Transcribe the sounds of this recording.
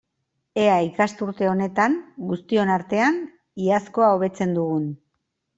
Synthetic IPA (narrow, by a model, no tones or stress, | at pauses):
e̞aikast̪uɾt̪e̞o̞ne̞t̪aŋɡust̪io̞naɾt̪e̞an | iasko̞aoβe̞t͡se̞nd̪uɣun